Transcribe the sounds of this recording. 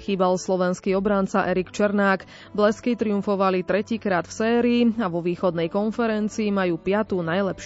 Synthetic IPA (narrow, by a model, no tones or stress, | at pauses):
xiːbalslɔʋɛnskiɔbɾant͡saʔɛɾikt͡ʃɛɾnaːk | blɛskit̪ɾiuɱfɔʋalit̪ɾɛciːkɾaːt̪fsɛːɾiːaʋɔʋiːxɔd̪nɛjkɔnfɛɾɛnt͡siːmajuːpɪat̪uːnajlɛpʃ